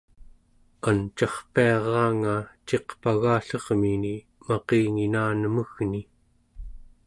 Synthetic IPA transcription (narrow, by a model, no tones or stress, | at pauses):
ant͡ʃɑχpiɑʁɑːŋat͡ʃe̞qpaɣaːɬʌʁmini | mɑqeːŋinaːnəməɣni